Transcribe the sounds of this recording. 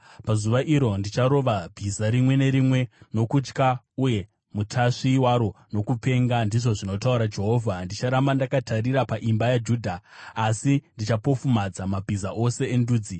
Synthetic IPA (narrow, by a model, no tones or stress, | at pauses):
pazuʋaʔiɾo̞ndit͡ʃaɾo̞ʋabʱizaɾimwe̞ne̞ɾimwe̞no̞kut͡ʃka | uje̞ | mutʰaʂiwaɾo̞no̞kupe̞ŋɡandiʐo̞ʐino̞tauɾad͡ʒe̞ɦo̞vʱandit͡ʃaɾambandakatʰaɾiɾapaʔimbajad͡ʒuːdʱaːsindit͡ʃapo̞fumad͡zamabʱizaʔo̞se̞ːnduːd͡zi